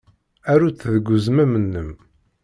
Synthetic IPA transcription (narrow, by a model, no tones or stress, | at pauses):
æɾuθðɡʷːuzmæmənːəm